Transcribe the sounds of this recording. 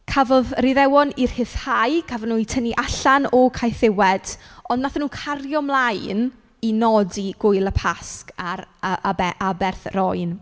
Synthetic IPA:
kʰavɔðriðɛwɔnir̥hɪθhajkʰavɔnuːitʰəniʔaɬanɔkʰajθɪwɛd̥ɔndnaθanuːkʰarjɔmlˠajn | inɔdiɡ̥ʊɨlˠəpʰaskaɾabɛʔabɛrθrɔjn

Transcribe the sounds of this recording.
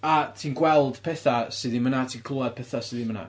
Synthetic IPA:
atʰiːnɡwɛlˠd̥pʰɛθasɨðinmənatʰiːnkʰlˠuad̥̚pʰɛθasɨðinməna̰

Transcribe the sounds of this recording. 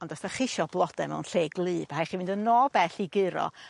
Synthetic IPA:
ɔndɔstaχɪʃɔblˠɔd̥ɛmɛ̰wnɬeːɡlˠɨːb̥ahajχivɨndənoːbɛθiɡɨɾɔ̰

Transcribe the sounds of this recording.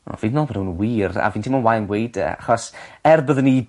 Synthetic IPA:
ɔ̰viðnɔbəɾnəwnwiːra̰viːntʰimɔnwajənɡwejd̥ə̰aχɔsɛrbəðəni

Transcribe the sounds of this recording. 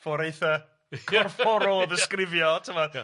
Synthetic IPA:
foɾejθə | kʰɔrfɔɾʊlˠɔðəskrɪvjɔtʰəmɔ

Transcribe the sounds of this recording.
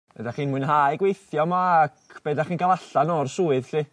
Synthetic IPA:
b̥ɛ̰daχiːnmʊɨnɦaːjɡwejθjɔmaːkʰb̥ɛːdaχiːnɡalaɬanɔrsuːɨðɬi

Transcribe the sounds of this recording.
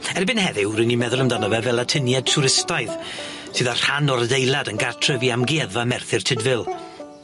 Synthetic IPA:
ɛrbɪnhɛðɪwɾənimɛðʊlˠəmdanɔvɛvɛlˠatʰənjad̚tʰuɾɪstajð | sɨːðar̥hanɔrðejlˠadənɡartʰr̥əviamɡiɛðamɛrθɪrtʰɪdvɪlˠ

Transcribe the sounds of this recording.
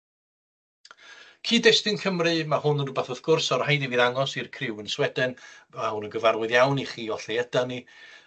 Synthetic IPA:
kʰiːdɛstɨnkʰəmrɨmahʊnənubaθəðɡ̥ʊrsɔrhajdiviːðaŋɔsirkʰrɪwənswɛdɨnmahunənɡəvarwɪðjawniχiːɔɬɛjɛdani

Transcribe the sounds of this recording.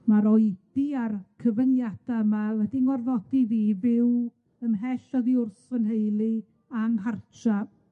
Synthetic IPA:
maɾɔjd̥iarkʰəvənjad̥amawɛdiŋɔrðɔdiðiːvɪw | ənɦɛɬɔðiʊrθənɦejlˠi | aŋɦart͡ʃʰa

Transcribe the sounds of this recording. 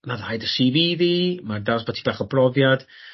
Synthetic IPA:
maðajdəsiviðimardaɔsbɔtʰi̥baːχɔbʰrɔvjad̥

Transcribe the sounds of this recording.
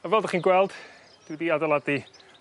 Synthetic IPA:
avɛlˠdaχiːnɡwɛlˠd̥ | d̥ɪwɛdiːadalˠadi

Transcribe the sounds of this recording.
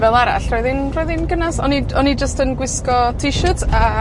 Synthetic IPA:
vɛlˠaɾa̰ɬrɔɨðɪnrɔɨðɪnɡənasɔniɔnid͡ʒəstənɡwɪskɔtʰiʃətʰa

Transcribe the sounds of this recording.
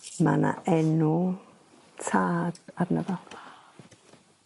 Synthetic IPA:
mana̰ʔɛnu | t͡sʰat̪at̪nat̪a

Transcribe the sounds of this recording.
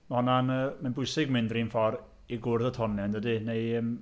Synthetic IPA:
mahɔnanəːmanbʊjsɪɡ̚mɪndriːnfɔr | iɡʊrðətʰɔnɛndədɨnejəm

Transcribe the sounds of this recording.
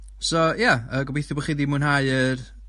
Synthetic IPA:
sɔjaəɡɔbejθjʊbɔχiːðiːmʊnhaɨər

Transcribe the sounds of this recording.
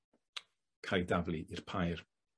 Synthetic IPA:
kʰajdavliʔirpʰajr

